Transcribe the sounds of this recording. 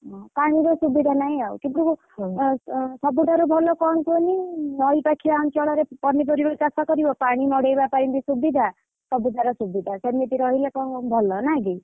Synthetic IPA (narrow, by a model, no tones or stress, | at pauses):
paɽ̃iɾosubid̪ʱanaj̃awkiʈu | sʌbuʈaɾobʱɔlɔkɔnkoninʌjpakʰibaunt͡ʃɔɭɔɾepʌnːipɔɾibokasɔkɔɾibɔpaɽ̃imɔɽejbapaɾind̪isubid̪ʱa | sʌbud̪ʱaɾɔsubid̪ʱasemit̪iɾʌɦilakɔbʱɔlːɔnaɡi